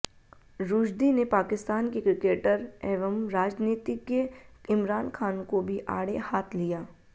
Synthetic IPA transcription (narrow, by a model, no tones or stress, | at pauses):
ɾuːd͡ʒd̪inepaːkɪst̪aːnkekɾɪkeːʈəɾeːʋəmɾaːd͡ʒniːt̪ikeɪmɾaːnkʰaːnkobʱiʔa̰ːɽehaːt̪ʰlijaː